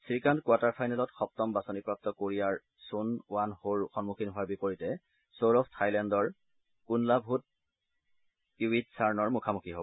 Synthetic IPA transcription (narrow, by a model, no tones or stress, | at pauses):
sikankʊataɹpʰajnɛlɔtxɔp̚tɔmbasonipɹap̚tɔkoɹijaɹ | sunwanhoɹxɔnmukʰinɦʊaɹbipoɹitɛ | soɹɔfʰtʰajlɛndɔɹ | kunlabʱut̚ | uwitsaɹnɔɹmʊkʰamukʰiɦob